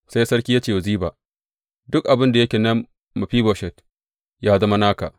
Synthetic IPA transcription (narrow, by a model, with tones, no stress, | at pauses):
sa˦jsɐ˦rkʲiː˦jaː˦t͡ʃeː˦˨wɐ˨ziː˦baː˨ʔ | dʊ˦kʔa˨bɪ˦nda˨jɐ˦kʲe˨nɐ˦m | mɐ˨ɸiː˦boː˨ʃɛ˨t | jaː˦zɐ˦ma˦naː˦ka˨ʔ